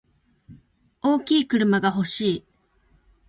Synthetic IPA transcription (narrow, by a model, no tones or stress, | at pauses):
o̞ːkʲiːkɯ̟ɾɯ̟maɡaɦo̞ɕiː